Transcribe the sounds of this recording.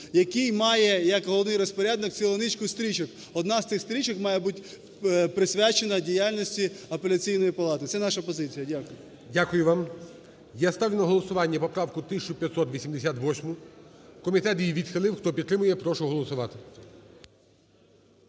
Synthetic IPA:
jɐkɪjmɑjɛjɐkɦɔlˠɔʋnɪjɾɔspɔɾʲad̪nɔk̚t͡sʲilˠɔnɪt͡ʃkʊst̪ɾʲit͡ʃɔk | ɔd̪nɑzt̪sɪxst̪ɾʲit͡ʃɔkmɑjɛbutʲ | pɾɪsʲʋʲat͡ʃenɐdʲijalʲnɔsʲtʲiɐpelʲɐt͡sʲijnɔjipɐlˠɑt̪ɪt̪sɛnɑʃɐpɔzɪt͡sʲijɐdʲakʊjʊ | dʲakʊjʊʋɑm | jast̪ɑʋjʲʊnɐɦɔlˠɔsʊʋɑnʲːɐpɔpɾɑwkʊt̪ɪsʲt͡ʃʊpʲjɐt̪sɔt̪ʋʲisʲimd̪esʲat̪ʋɔsʲmʊkɔmʲit̪ɛt̪jʲiʋʲid̪xɪlˠɪwxt̪ɔpʲid̪t̪ːɾɪmʊjɛpɾɔʃʊɦɔlˠɔsʊʋɑt̪ɪ̥

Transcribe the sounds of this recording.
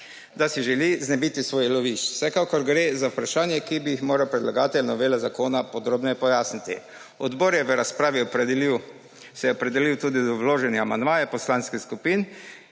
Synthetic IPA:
d̪asiʒɛliznɛbiːt̪isʋoːjlɔʋiʃw̥sɛkakɔɾɡɾezaupɾaʃaːnjɛkibijixmoːɾawpɾɛd̪laɡaːt̪ɛllnɔʋeːlazakoːnapɔd̪ɾoːbnɔjɛpɔjaːsnit̪ḭ | ɔd̪boːɾjɛʋəɾaspɾaːʋiɔpɾɛd̪iw | sɛjɛɔpɾɛd̪ɛliwt̪uːd̪id̪ɔwloːʒɛnɛamand̪maːjɛpɔslanskixskupiːn

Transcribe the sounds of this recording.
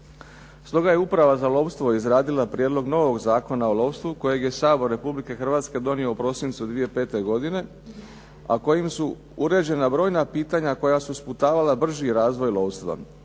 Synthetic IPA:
st̪o̞ɡaje̞upɾaʋazalˠo̞ːpst̪ʋo̞izɾaːd̪ilapɾjed̪lˠo̞ɡno̞ːʋo̞ɡzaːko̞naolˠo̞ːpst̪ʋuko̞je̞ɡje̞saːbo̞ɾːe̞publike̞xr̩ʋaːt̪ske̞d̪o̞nio̞upɾo̞sint̪sud̪ʋije̞pe̞ːt̪e̞ɡo̞d̪ine̞ | a̰ko̞jimsu | uɾe̞d͡ʑe̞nabɾo̞ːjnapiːt̪aɲako̞jasusput̪aːʋalabr̩ʒiɾaːzʋo̞jlˠo̞ːʋst̪ʋa̰

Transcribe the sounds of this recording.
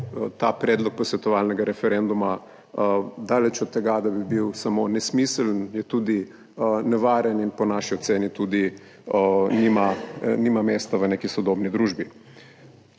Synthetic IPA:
t̪apɾɛːd̪lɔk̚pɔsʋɛt̪ɔʋalnɛɡaɾɛfɛɾɛnd̪uma | d̪aːlɛt͡ʃɔt̪̚t̪ːɛɡad̪abibiwsamonɛsmiːsəlnjɛt̪uːd̪i | nɛʋaːɾjɛninpɔnaʃiɔt̪seːnit̪uːd̪i | nimanimameːst̪aʋəneːkisɔd̪obnid̪ɾuːʒbi

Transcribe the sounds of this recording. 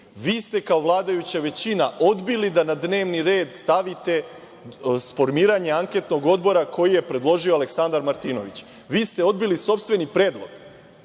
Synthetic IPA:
ʋiːst̪e̞kao̞ʋlˠaːd̪ajut͡ɕaʋe̞t͡ɕinaʔo̞d̪bilid̪anad̪ne̞ːʋniɾeːd̪st̪aʋit̪e̞ | sfo̞ɾmiːɾaɲeaŋke̞t̪no̞ɡo̞d̪bo̞ɾakʰo̞jije̞pɾe̞d̪lˠo̞ʒioale̞ksand̪aɾmaɾt̪iːno̞̰ʋit͡ɕ | ʋiːst̪e̞o̞d̪biliso̞pst̪ʋe̞nipɾe̞ːd̪lˠo̞ɡ̥

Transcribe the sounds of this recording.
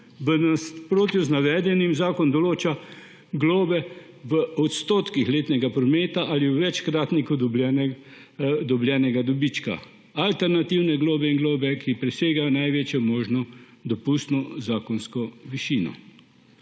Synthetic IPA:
ʋənaspɾoːt̪iuznaʋɛːd̪jɛnimzaːkɔnd̪ɔloːt͡ʃa | ɡloːbɛ | ʋəɔt̪st̪oːt̪kixleːt̪nɛɡapɾɔmeːt̪aʔaliwʋɛt͡ʃkɾaːt̪nikud̪bɛn | d̪ɔbljɛːnɛɡad̪ɔbit͡ʃka̰ | alt̪ɛɾnat̪iwnɛɡloːbɛiŋɡloːbɛkʰipɾɛseːɡanajʋeːt͡ʃjɔmoːʒnɔ | d̪ɔpust̪nɔzaːkɔnskɔʋiʃiːnɔ̰

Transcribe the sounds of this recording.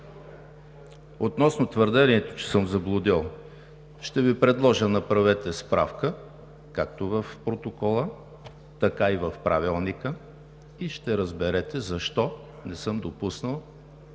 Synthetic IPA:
ot̪nɔsnot̪vəɾd̪ɛniɛt̪o̥t͡ʃɛ̥sɤmzɐblˠʊd̪ilˠ | ʃt̪ɛvipɾɛd̪lˠɔʒənɐpɾɐvɛt̪ɛspɾʔa̰fkə | kak̚t̪ovɐfpɾot̪okɔlˠə | t̪ɐkaivɐfpɾavilˠnikə | iʃt̪ɛɾəzbɛɾɛt̪ɛzɐʃt̪ɔ | nɛsɤmd̪opusnəlˠ

